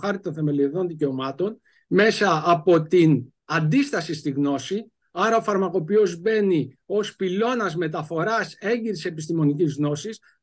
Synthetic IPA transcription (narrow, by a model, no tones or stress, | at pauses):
xɐɾt̪it̪o̞nθe̞me̞lioðo̞nðice̞o̞mɐt̪o̞n | me̞sɐːpo̞t̪in | ɐnd̪ist̪ɐsist̪iɣno̞si | ɐɾɐo̞fɐɾmɐko̞pio̞zbe̞ni | o̞spilo̞nɐzme̞t̪̬ɐfo̞ɾɐse̞ɲɟiɾse̞pist̪imo̞nicizɣno̞sis